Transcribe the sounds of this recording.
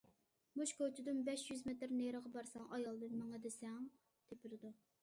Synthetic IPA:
muʃkʰot͡ʃʰɪd̪ɪnbɛʃjyzmet̪ɾneɾəʁɑbɑɾsɑŋʔɑjɑlˠd̪ɨnmɛŋɛd̪ɪsɛŋ | t̪ʰepʰɪlɪd̪u

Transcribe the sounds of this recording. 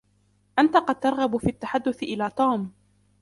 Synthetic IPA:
ʔant̪aqɑd̪̚t̪ɑɾˤɣɑbʊfiːʔat̪ːaħad̪ːʊθɪʔɪlaːt̪ˤuːm

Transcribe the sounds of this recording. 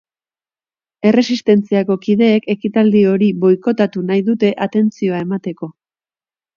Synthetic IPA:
e̞re̞sist̪e̞nt͡siako̞kiðe̞ːke̞kit̪ald̪io̞ɾiβo̞jko̞t̪at̪unajðut̪e̞ʔat̪e̞nt͡sio̞ae̞mat̪e̞ko̞

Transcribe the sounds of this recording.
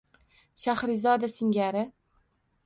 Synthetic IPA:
ʃahɾɪzɒd̪asɪŋɡʲaɾɪ

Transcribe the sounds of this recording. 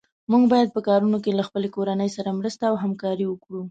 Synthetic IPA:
muɡbɑjad̪̚pəkɑɾunokelaxpəlekoɾanəjsaɾamɾəst̪aːwɦamkɑɾiwəkɽu

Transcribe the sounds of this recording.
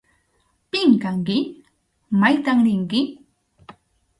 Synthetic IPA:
pɪŋkaŋkɪ | majt̪aŋɾɪŋkɪ

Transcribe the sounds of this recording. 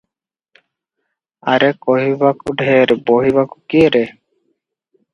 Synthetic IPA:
aɾekɔɦibakuɖʱeɾboɦiβaku̥kieɾe

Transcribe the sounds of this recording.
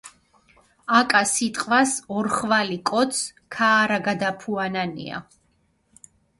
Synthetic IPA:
akʼasit̪ʼqʼwasɔɾχvalikʼɔt̪skʰaːɾaɡad̪apʰuananḭa̰

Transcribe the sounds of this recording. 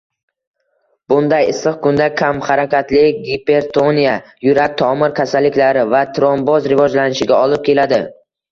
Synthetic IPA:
b̥ʊnd̪ajɪsɨq̚kʰʊnd̪akʲʰamχaɾakʲat̪lɪɡʲipe̞ɾt̪ʰonijajʊɾak̚t̪ʰɒmɪɾkʲʰasalːɪkʲlaɾɪvat̪ʰɾombɒzɾɪvɒd͡ʒlanɪʃɪɡʲaɒlˠɪp̚kʲe̞lad̪ɪ

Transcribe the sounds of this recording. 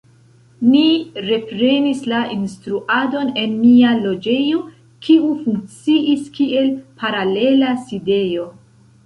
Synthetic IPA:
niɾe̞pɾe̞nislainstɾuʔado̞ne̞nmialo̞d͡ʒe̞jo̞ | kʰiufuŋk̚t͡siʔiskie̞lpʰaɾale̞laside̞jo̞

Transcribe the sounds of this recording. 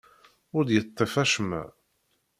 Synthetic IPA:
ʊɾd̪jət̪ˤːefæʃmæ̰

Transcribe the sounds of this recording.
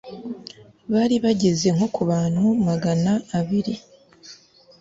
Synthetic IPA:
βaːɾiβaɟe̞ze̞ŋho̞kʰuβaːn̥humaɡanaːβiɾi

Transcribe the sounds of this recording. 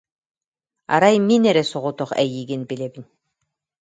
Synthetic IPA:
a̰ɾajminɛɾɛsɔʁut̪ɔχɛ̰jiːɡinbilɛbin

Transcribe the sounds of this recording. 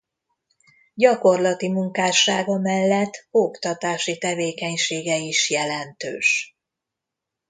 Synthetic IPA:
ɟɒko̞rlɒt̪imuŋkaːʃaːɡɒmɛlːɛt̪ːokt̪ɒt̪aːʃit̪ɛveːkɛɲʃeːɡɛiʃjɛlɛnt̪ø̰ːʃ

